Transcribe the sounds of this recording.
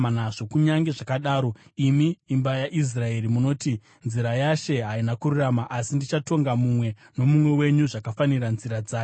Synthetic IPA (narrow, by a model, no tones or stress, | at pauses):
anaʐo̞kuɲaŋɡe̞ʐakaɗaːɾo̞imiːmbajaʔis̬rae̞ɾimuno̞ːti | nziɾajaʃe̞ɦainakururamaʔasindit͡ʃato̞ŋɡamumwe̞ | no̞mumwe̞we̞ɲuʐakafaniɾanziɾad͡zaː